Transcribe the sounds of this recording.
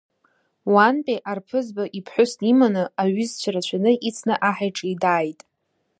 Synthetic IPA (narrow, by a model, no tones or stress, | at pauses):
wanpʼeʔarpʰɨzbaʔipʰħʷʊstʼimanɨaɥʏzt͡ɕʷʰaɾat͡ɕʷʰanɨʔit͡sʰnɨʔaħajʈ͡ʂʼidaːjtʼ